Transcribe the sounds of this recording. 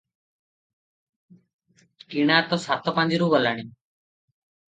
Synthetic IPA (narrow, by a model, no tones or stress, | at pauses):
kiːɳaːt̪oːsaːt̪oːpãːnd̪iːɾuːʋəlaːɳiː